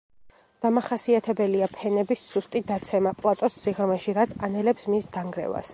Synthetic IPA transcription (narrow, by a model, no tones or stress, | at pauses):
d̪̥amaχasiat̪ʰɛbɛliapʰɛnɛbisːust̪ʼid̪at̪sʰɛmapʼlˠat̪ʼɔsːiʁɾmɛʃiɾat̪sʰanɛlɛpsmisd̪aŋɡɾɛ̰va̰s